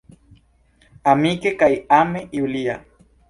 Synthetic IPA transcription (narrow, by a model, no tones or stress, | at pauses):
amikekaiameiulia